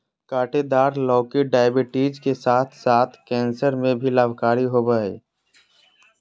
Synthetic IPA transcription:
kaːʈed̪aːɾlɔːkiɖaːjəbɪʈiːd͡ʒkesaːt̪ʰsaːt̪ʰkɛ̃ːnsəɾmẽbʱilaːʋkaːɾiɦoːbaːḛː

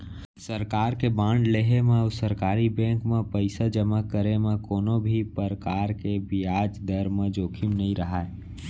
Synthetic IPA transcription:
səɾkaɾkebãɳɖleɦemesəɾkaɾibẽŋkmepəɪsad͡ʒəmakəɾemẽkoːnobʱipəɾkaɾkebiad͡ʒd̪əɾmed͡ʒoːkʰimnəĩɾəɦae

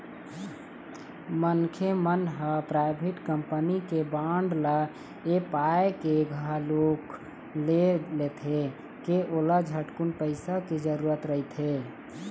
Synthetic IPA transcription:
mənkʰemənɦəpɾaɪbʱiʈkəmpənikebaɳɖlə | epaekeɡʱəɦlok | lelet̪ʰe | keʔoləd͡ʒʱəʈkunpəɪsəked͡ʒəɾuɾət̪ɾəɦit̪ʰe

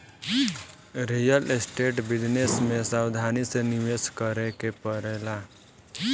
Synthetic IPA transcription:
ɾijəlesʈeːʈbɪd͡ʒnesmẽsawd̪ʱaːnisenɪʋeskəɾekepəɾeːla

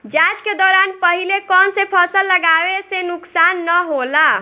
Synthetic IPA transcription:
d͡ʒad͡ʒked̪ɔɾanpəɦilekɔnsepʰəsəlːəɡabesenuksanːəɦola

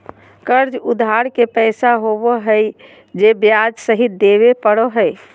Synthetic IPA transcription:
kəɾd͡ʒud̪ʱɦaɾkepəɪsaɦobɔɦəj | d͡ʒebjad͡ʒsəɦit̪d̪eβepəɽoɦəj

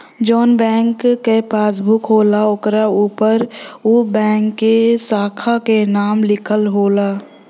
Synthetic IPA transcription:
d͡ʒɔːnbɛ̃ːŋkːepaːsbʱʊkɦoːlaʊkɾauːpəɾobɛ̃ːŋkːesaːkʰakenaːmlɪkʰəlɦoːlaː

